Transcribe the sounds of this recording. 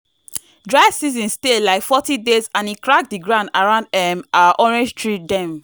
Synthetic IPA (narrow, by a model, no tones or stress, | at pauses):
dɹaɪsizɔ̃nstelaɪkfɔtidezãnikɹak̚diɡɹãʊ̃ndaɹãʊ̃ndɛmaʔɔɹɛ̃nd͡ʒtɹit̚dɛ̃m